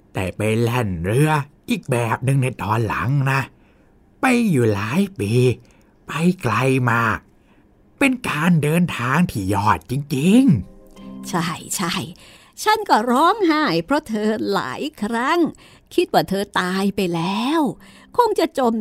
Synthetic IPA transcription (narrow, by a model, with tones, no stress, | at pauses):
t̪ɛ̰ː˨˩pa˧jlɛ˧˩nɾɯ˧ɐʔiː˨˩k̚bɛː˨˩p̚nɯ˨˧ŋna˧˩jt̪ɔː˧nla̰˨˩˦ŋna˦˥ | pa˧jjuː˨˩laː˨˦jpiː˧ | pa˧jkla˧jmaː˧˥˩k̚ | pe˧nkaː˧ndɤː˧nt̪ʰaː˧ŋt̪ʰiː˧˩jɔː˧˩t̪̚t͡ɕi˧ŋt͡ɕi˧ŋ | t͡ɕʰa˥˩jt͡ɕʰa˥˩j | t͡ɕʰa˥˩nkɔː˥˩ɾɔː˦˥˩ŋɦaː˥˩jpʰɾɔ˦˥t̪ʰɤː˧la̰ː˩˦jkʰɾa˦˥˩ŋ | kʰi˦˥t̪̚waː˧˩t̪ʰɤː˧t̪aː˧jpa˧jlɛː˦˥w | kʰo˧ŋt͡ɕa˨˩t͡ɕo˧m